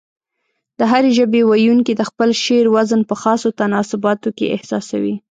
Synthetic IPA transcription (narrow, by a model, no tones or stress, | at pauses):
d̪̥əɦaɾeʒəbewajuŋkid̪əxpəlʃeɾwazənpəxɑsot̪anɑsʊbɑt̪okḛʔɪ̰hsɑsawḭ